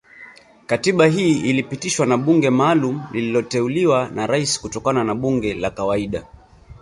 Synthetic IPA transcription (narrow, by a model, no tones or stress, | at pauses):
katiɓaɦiːilipitiʃwanaɓuŋɡɛmaːlum̩lililɔtɛuliwanaɾaisi̥kutɔkananaɓuŋɡɛlakawaiɗa